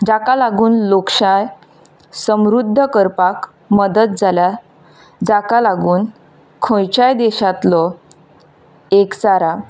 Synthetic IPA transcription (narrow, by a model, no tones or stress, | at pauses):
d͡ʑakalaɡuːnlokʂaj | səmɾud̪ʱːəkəɾpak | məd̪ət̪̚d͡zʱalja | d͡zakalaɡuːn | kʰõjt͡ɕajd̪eɕat̪lɔ | ekt͡saɾa